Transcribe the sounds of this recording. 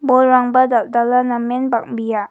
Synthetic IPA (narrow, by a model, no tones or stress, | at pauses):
bɔlɾaŋbɐdaldalanamːenbak̚bija